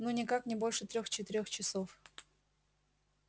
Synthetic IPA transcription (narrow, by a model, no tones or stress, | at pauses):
nonʲɪkaknʲɪbo̞lʲʂɨt̪ɾʲoxt͡ɕɪt̪ɪɾʲoxt͡ɕɪsof